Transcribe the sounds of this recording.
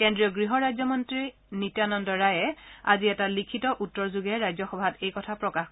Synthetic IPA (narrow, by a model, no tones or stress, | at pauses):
kɛndɹiɔɡɹiɦɔɹajzɔmɔntɹi | nitanɔndɔɹajɛa̰ziɛtalikʰitɔʔutːɔɹzuɡɛɹajzɔxɔbʱatejkɔtʰapɹɔkax